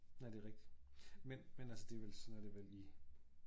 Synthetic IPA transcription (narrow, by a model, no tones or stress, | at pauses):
æd̥e̝ʁeɡ̥d̥i̥menmenælsəd̥e̝ʋelsɒnæɐd̥e̝ʋeli